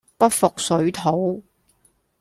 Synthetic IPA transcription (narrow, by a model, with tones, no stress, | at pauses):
pɐ˥t̚fʊ˨k̚sɵ˨˥ɥt̪ʰo˨˥w